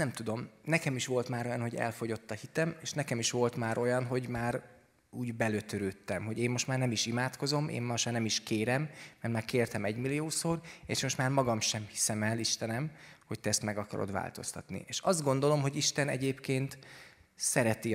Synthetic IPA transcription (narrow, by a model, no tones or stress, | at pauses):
nɛmt̪ud̪o̞mnɛkɛmiʃʋo̞lt̪maːɾo̞jɒnho̞ɟɛ̰lfo̞ɟo̞t̪ːɒhit̪ɛmeːʃnɛkɛmiʃʋo̞lt̪maːɾo̞jɒnɦo̞ɟmaːɾ | uːɟbɛløt̪øɾøːt̪ːɛmɦo̞ɟeːmːo̞ʃt̪maːrnɛmiʃimaːt̪ko̞zo̞mḛːmmɒʃaːnɛmiʃkeːɾɛmːɛrt̪maːrkeːrt̪ɛmɛɟmilːijoːsoːrḛːʃmo̞ʃt̪maːrmɒɡɒmʃɛmhi̥sɛmɛliʃt̪ɛnɛmho̞c̚t̪ɛɛst̪mɛɡɒkɒɾo̰d̪ʋa̰ːlt̪o̞st̪ɒ̰t̪nḭeːʃɒzd̪̚ɡo̞nd̪o̞lo̞mɦo̞ɟiʃt̪ɛnɛ̰ɟeːpkeːnt̪ | sɛɾɛt̪i